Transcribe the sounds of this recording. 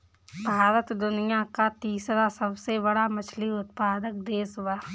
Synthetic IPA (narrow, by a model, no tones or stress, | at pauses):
bʱaːɾət̪d̪ʊnɪjakat̪iːsɾasəbsebəɽamɐt͡ʃʰliʊt̪paːd̪ək̚d̪eːswaː